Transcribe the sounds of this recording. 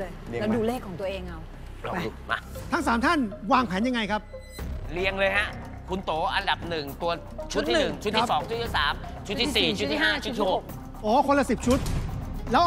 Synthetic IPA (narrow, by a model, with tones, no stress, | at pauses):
jlduː˧leː˥˩kʰːɔː˩˦ŋt̪ɐʔeː˧ŋʔa˧w | a˧˩˧ma˧t̪ʰa˦˥ŋsaː˩˦mt̪ʰa˥˩nwaː˧ŋpʰɛː˩˦nja˧ŋa˧jkʰa˦˥p̚ | li˧əŋlɤː˧jha˦˥ʔ | kʰu˧nt̪oː˩˦ʔa˧nda˨˩p̚nɯ˨˩ŋt̪u˧ɐ | t͡ɕʰu˦˥t̪ʰːiːn˨˧nɯ˨˩ŋt͡ɕʰu˦˥i˦˩sɔː˩˦ŋt͡ɕʰu˦˥t̪ːʰi˥˩saː˩˦m | t͡ɕʰu˦˥t̪ʰːiː˧˥siː˨˩t͡ɕʰu˦t̪ʰːiː˧˩haː˥˩t͡ɕʰu˦t̪ːʰi˥˩ho˨˩k̚ | ʔɔː˨˦kʰo˧nla˧si˨˩p̚t͡ɕʰu˦˥t̪̚lɛː˦˥